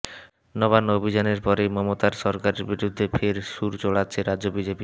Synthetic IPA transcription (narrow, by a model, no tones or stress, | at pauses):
nɔβanːobʱid͡ʑaneɾpɔɾejmɔmot̪aɾʃɔɾkaɾeɾbiɾud̪ʱːefʰeɾʃuɾt͡ɕoɽatːɕʰeɾadobid͡ʑepi